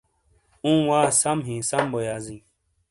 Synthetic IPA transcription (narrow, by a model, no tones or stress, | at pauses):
ũːwaːsɐmɦĩsɐmbojaːzĩː